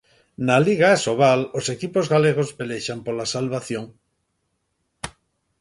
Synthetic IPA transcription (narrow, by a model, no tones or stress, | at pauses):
naliɣaasoβalosekipozɣaleɣ̞ozbeleʃampolasalβaθjoŋ